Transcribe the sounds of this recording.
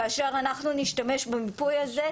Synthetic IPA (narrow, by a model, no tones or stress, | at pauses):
aʃaʁanaχnuniʃtame̞ʃbemipujaze